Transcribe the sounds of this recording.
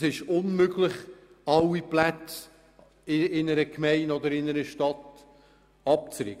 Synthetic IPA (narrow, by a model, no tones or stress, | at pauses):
sɪʃʊnmøɡlɪχ | ɑwiplætt͡s | ɪɪnəɾəkʰmɛɪnɔd̪əɾɪnəɾəʃtɑt̪ | ɑp̚t͡sɾɪ̰ːɡə